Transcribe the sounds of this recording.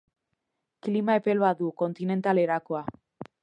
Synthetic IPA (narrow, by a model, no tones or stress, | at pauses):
klimaepelβaðuko̞nt̪ine̞nt̪ale̞ɾakoa